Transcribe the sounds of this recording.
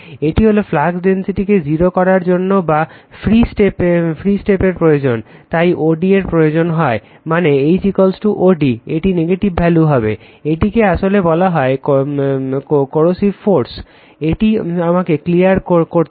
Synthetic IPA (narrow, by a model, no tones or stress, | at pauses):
eʈiɦoloflaɡɖensiʈiked͡ʑiɾokɔɾaɾd͡ʑonːobafɾisʈepefʰɾisʈepeɾpɾojod͡ʑont̪ajʔoɖieɾpɾojod͡ʑonɦɔe | maneejt͡ɕikolsʈuʔoɖieʈineɡeʈibːʱɛluɦɔbe | eʈikeaʃolebɔlaɦɔek | kkoɾosibfoɾs | eʈiamakeklijaɾkokoɾ